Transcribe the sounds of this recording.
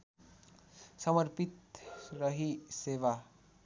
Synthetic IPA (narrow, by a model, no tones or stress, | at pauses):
səməɾpit̪ɾəɦiseːʋa